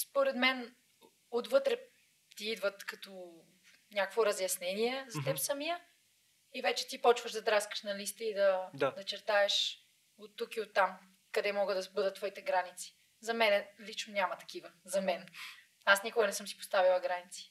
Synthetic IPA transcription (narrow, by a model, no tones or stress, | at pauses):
spoɾɛd̪mɛn | od̪vɤt̪ɾɛ | t̪iid̪vət̪kɐt̪o | nʲakəkvoɾɐzjɐsnɛniɛzɐt̪ɛpsɐmijə | ivɛt͡ʃɛ̥t̪ipɔt͡ʃvəʒd̪ɐd̪ɾaskə̥ʃnɐlist̪əid̪ɐd̪d̪ɐt͡ʃɛɾt̪aɛʃ | ot̪ːukiot̪ːam | kɐd̪ɛmɔɡəd̪ɐbɤd̪ət̪ːvɔit̪ɛɡɾanit̪si̥ | zɐmɛnɛlit͡ʃnonʲamɐt̪ɐ̥k̟ivəzɐmɛn | asnikʊɡənɛsɤmsi̥po̥st̪avilˠɐɡɾanit̪si̥